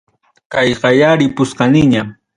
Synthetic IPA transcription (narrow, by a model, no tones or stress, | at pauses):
kajqɑjaɾɪpʊsqɑnɪɲa